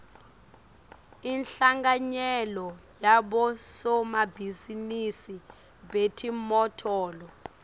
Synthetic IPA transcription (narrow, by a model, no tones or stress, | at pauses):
inɬaŋɡaɲɛlɔjaɓɔsɔmabʱizinisi | betʰimɔtʰɔːlɔ